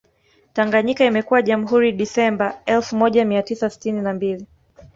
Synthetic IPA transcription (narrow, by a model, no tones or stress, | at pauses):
taŋɡaɲikaimɛkuwaʄam̩ɦuɾiɗisɛmbaɛlfumɔʄamiatisasi̥tininambili